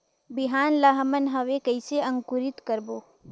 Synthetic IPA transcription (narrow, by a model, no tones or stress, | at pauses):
bɪɦaːnlaɦmənɦɐʋekɐɪseɐ̃ŋkʊɾɪt̪kəɾboː